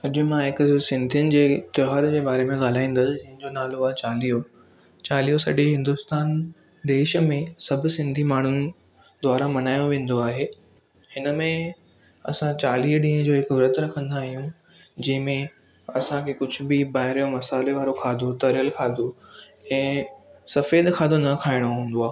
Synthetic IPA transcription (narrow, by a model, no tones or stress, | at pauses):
ʊʄʊ̆mãɦɪkʊsɪ̃nd̪ʱijnɪ̆d͡ʑeːt̪ɪɦaːɾd͡ʑeːbaːɾemẽɠaːl̤aːĩːn̆d̪əsɪd͡ʑɐ̃ɦɪ̃ɲd͡ʑonaːloat͡ɕaːlijo | t͡ɕaːlijosɐ̰ɗeɦɪ̃nd̪ʊst̪aːn | d̪eːʃə̆mẽsɐbʱʊsɪ̃nd̪ʱimaːɳ̤ʊn̆ | d̪waːɾamɐnaːjõʋẽːn̆d̪oaːɦeː | hɪnəmẽ | ɐ̰sãt͡ɕaːliːəɗĩːə̃d͡ʑoːɦɪkʋɾət̪ɾɐkʰə̃nd̪aːɦijũ | d͡ʑɐ̃ɦɪ̃mẽ | ɐsãkʰekʊd͡ʑʱʊ̆bɪbaːɦɪɾijomɐsaːleʋaːɾokʰaːd̪ʱot̪ɐɾjəlkʰaːd̪o | ɛ̃ːsɐfeːd̪kʰaːd̪onɐkʰaːɪɽ̃oɦũːn̆d̪oaː